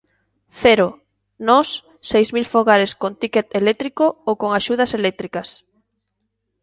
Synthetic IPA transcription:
θɛɾo | nɔsː | ejzmilfoɣaɾeskont̪iket̪elɛk̚t̪ɾikookoŋaʃuð̞ɐselɛk̚t̪ɾikɐs

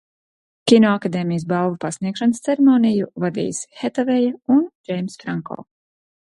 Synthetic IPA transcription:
kʲinɔakad̪eːmijs̬balˠvupasniɛkʃanəst̪sɛɾɛmoːnijuvad̪ḭːshɛt̪avɛjaund͡ʒɛjmsfɾaŋkɔ̰ː

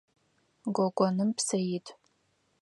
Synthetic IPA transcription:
ɡʷɔɡʷʼɔnɨmpʰsɐjitʰʼ

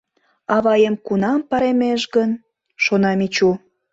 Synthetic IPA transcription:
ɑβɑjəmkunɑmpɑɾemeʃɡən | ʃonɑmit͡ɕu

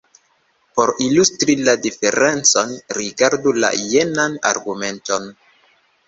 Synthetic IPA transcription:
poɾilustɾiladife̞ɾe̞nt͡so̞nɾiɡaɾdula̰je̞nana̰ɾɡume̞nto̞n

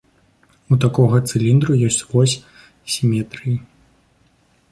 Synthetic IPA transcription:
ut̪akɔɣɐt̪sɨlʲind̪ɾujɔsʲt͡sʲvɔsʲ | sʲimʲɛt̪ɾɨji

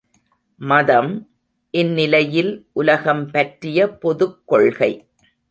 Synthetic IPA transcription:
mɐðɐm | ʔɪnːɪlɐjɪlʔʊlɐɣɐmpɐʈrɪjɐpɔðɯkːɔɭɣɐɪ

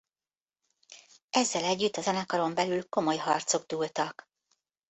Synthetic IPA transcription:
ʔɛzːɛlɛɟːyt̪ːɒzɛnɛkɒlo̞mbɛlylko̞mo̞jɦɒrt̪so̞ɡ̚d̪uːlt̪ɒk

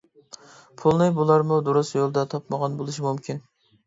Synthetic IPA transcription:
pʰulˠnɨbulˠɑɾmʊd̪uɾusjolˠd̪ɑt̪ʰɑpmɑʁɑnbolˠuʃimumkʲin

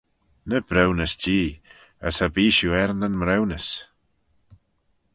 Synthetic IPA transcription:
nəb̥ɾɛwnəsd͡ʒiː | ə̰sabiːʃuɛɾnənmɾɛwnəs

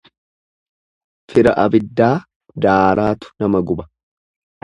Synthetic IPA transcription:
fɪɾɐʔɐbɪd̪ːaː | d̪aːɾʔaːt̪ʊ̥nɐmɐɡʊbɐ̥

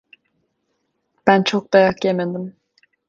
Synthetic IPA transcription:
b̥ænt͡ʃʰok̚d̪ɑjakjemed̪im

